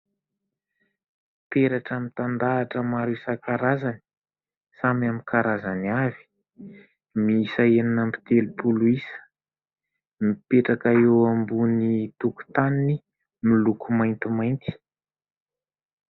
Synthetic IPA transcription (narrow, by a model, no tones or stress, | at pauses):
peɾaʈ͡ʂəmit̪and̪aːʈ͡ʂəmaɾuisakaɾazani̥ | samamikʰaɾazanavi̥ | miisaeninampi̥t̪elupuluisə̥ | mipeʈ͡ʂakaewambunit̪uku̥t̪anini | milukumajnt̪imajnt̪i̥